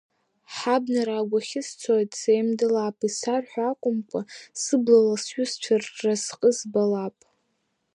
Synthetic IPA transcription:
ħabnaɾaɡʷaχʲɪst͡sʷʰojtʼsejmdɨlapʼisarħʷᶣakʷʼʊmkʷʼasɨblalasɥʊst͡ʃʷʰarrasqʼəzbalapʼ

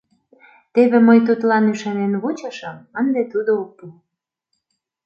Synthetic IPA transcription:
t̪eβemɤjt̪̬ut̪lɑnyʃɑnenβut͡ɕə̆ʃəmənd̪et̪ud̪ook̚pu

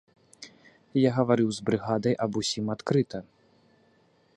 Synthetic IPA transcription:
jaɣɐvaɾɨwzbɾɨɣad̪ɐjʔɐbusʲimat̪kɾɨt̪ɐ

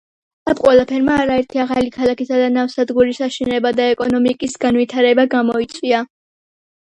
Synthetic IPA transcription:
apʼqʼwɛlˠapʰɛɾmaːɾaɛɾt̪ʰiaʁalikʰalˠakisad̪anafsad̪ɡuɾisaʃinɛbad̪aɛkʼɔnɔmikʼisɡ̥anvit̪ʰaɾɛbaɡamɔit̪sʼwia

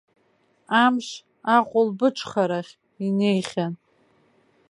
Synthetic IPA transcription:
amʃ | aqʷʼʊlbɨʈ͡ʂʷʰχaɾaχʲ | inejχʲan

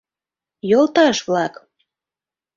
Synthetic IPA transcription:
jolˠt̪ɑʃβlɑk

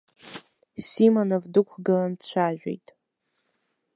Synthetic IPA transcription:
simonovdɨkʷʰɡɨlant͡ɕʷʰaʒᶣḛjtʼ

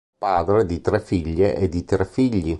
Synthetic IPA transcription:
paːd̪ɾed̪it̪ɾɛfiʎːeʔed̪it̪ɾɛfiʎːi

